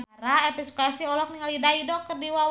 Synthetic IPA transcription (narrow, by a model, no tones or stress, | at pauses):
aɾaɛpisukasiɔlɔk̚niŋalidaidɔkərdiwa